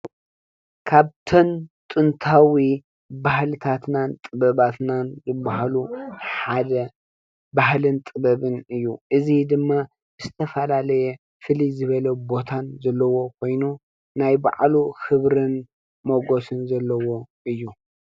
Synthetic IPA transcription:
kʰaβt̪ʰɐnt̪ʼɨnt̪ʰawi | bahlɨt̪ʰat̪nant̪ʼɨbɐβat̪nanzɨbːaɦaluħad̪ɐ | bahlɨnt̪ʼɨbɐβɨnɨjːuʔɨzid̪ɨmːa | zɨt̪ʰɐfɐlalɐjɛ | fɨlizɨβɐlɐbo̞t̪ʰanzɐlːɐwo̞kʷʰo̞jnu | najba̰ʕluxɨβɾɨn | moɡo̞sɨnzɐlːɐwo̞ | ɨjːu

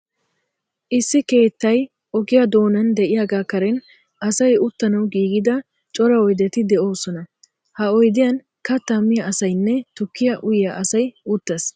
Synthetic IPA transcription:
ʔɪsːɪke̞ːt̪ːɐj | ʔɔɡɪjɐd̪o̞ːnɐnd̪ɛʔɪjaːɡaːkɐɾɛn | ɐsɐjʊt̪ːɐnɐwɡiːɡɪd̪ɐ | t͡ʃʼɔɾɐɔjd̪ɛt̪ɪd̪ɛo̞ːsɔnɐ | hɐɔjd̪ɪjɐn | kɐt̪ːɐmːɪjɐʔɐsɐjnːɛt̪ʊkːɪjɐʔʊjjɐʔɐsɐjʊt̪ːɐs

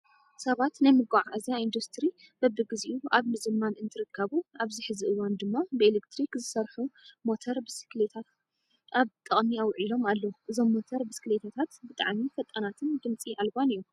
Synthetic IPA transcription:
sɐβat̪nɐjmɨɡaʕaʔazijaind̪ust̪ʰɨɾi | b̥ɐbɨɡɨziʔuaβmɨzɨmanɨnt̪ʰɨɾɨkʰːɐβuaβzɨħɨzɨʔɨwːand̪ɨmːabɨelekt̪ʰɾikzɨsɐɾħumo̞t̪ʰoɾbɨsi̥klet̪ʰat̪ | aβt̪ʼɨχʼmiawʕilo̞malːoʔɨzo̞mːo̞t̪ʰoɾbɨsklet̪ʰat̪ʰat̪bɨt̪ʼaʕmifɐt̪ʼɐnat̪ʰɨnɡ̪ɨmt͡sʼiʔalbanijːu

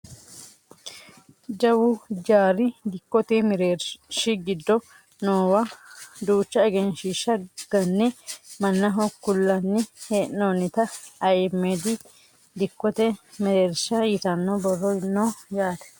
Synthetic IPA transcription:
d͡ʒɐwʊd͡ʒaːɾɪd̪ɪkːɔt̪emɪɾeːɾʃɪɡɪd̪ːɔ | noːwɐd̪uːt͡ʃːɐɛɡɛnʃɪʃːɐɡ̥ɐnːɛmɐnːɐɦɔkːʊlːɐnːɪheːnnoːnɪt̪ɐɐjmːeːd̪ɪ | d̪ɪkːɔt̪ɛmɪɾeːɾsɐjɪt̪ɐnːobɔrːɔnːoːjaːt̪ɛ̥

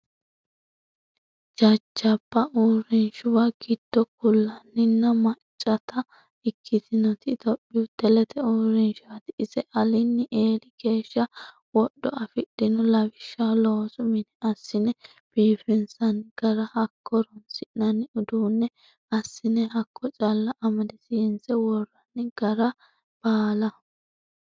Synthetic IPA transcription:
d͡ʒɐd͡ʒːɐbːɐʔuːɾɪnʃʊwɐɡ̥ɪd̪̥ːɔk̚ʊlːɐnːɪnːɐmɐt͡ʃʼːɐt̪ɐ | ɪkʰːɪt̪ʰɪnɔt̪ɪt̪ɔpːɪwʊd̪ɛlɛt̪ʰɛuːɾɪnʃwɐt̪ɪɪzɛʔɐlɪnːɪʔe̞ːlɪɡe̞ːʃːɐ | wɔɗːɔʔɐfɪɗɪnɔlɐbɪʃːaloːsʊmɪnɛɐsːɪnɛ | b̥iːfɪnsɐnɡ̥ɐɾɐhɐkʰːɔɾɔnsɪʔnɐnɪʊd̪uːnːɛ | ɐsːɪnɛhɐkːɔt͡ʃʼɐlːɐʔɐmɐd̪ɪsɪjɛnsɛwɔrːɐnːɪɡ̥ɐɾɐ | b̥aːlɐ

